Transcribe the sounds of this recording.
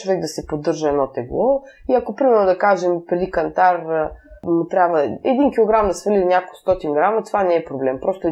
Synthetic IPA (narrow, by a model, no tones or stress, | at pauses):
vɛɡ̚d̪ɐsɛpod̪ːɤɾʒəɛd̪ɔt̪ɛɡlˠɔ | iɐkopɾimɛɾnod̪ɐkaʒɛmpɾɛd̪ikɐnt̪aɾ | mʊt̪ɾʲabvəɛ̰d̪inkilˠoɡɾamd̪ɐsvəlinʲakost̪ɔt̪inɡɾamɐt̪ovanɛɛpɾoblɛmpɾɔst̪ʊɛ